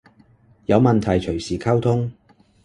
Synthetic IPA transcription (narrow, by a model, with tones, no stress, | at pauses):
jɐ˨˧wmɐ˨nt̪ʰɐ˨˩jt͡ʃʰɵ˨˩ɥsiː˨˩kʰaː˥wt̪ʰʊ˥ŋ